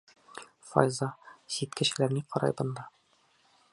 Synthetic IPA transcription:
fɒ̰jzɑɕit̪kɘ̆ɕɘ̆læɾniqɒɾɑ̰jbɤ̆nd̪ɑ

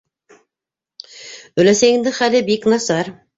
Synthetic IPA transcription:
ɵ̆læsæŋɘ̆ŋd̪ɘχælɘbiknɑsɑɾ

